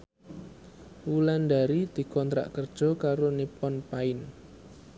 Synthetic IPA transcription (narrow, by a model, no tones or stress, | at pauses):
wuland̪aɾid̪̥i̤kɔnt̪ɾa̰ʔkərd̥ʒ̥ɔ̤kaɾonipɔnpaɪn